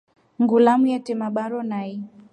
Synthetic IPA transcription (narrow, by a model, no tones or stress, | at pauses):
ŋɡulamujɛtɛmaɓaɾɔnai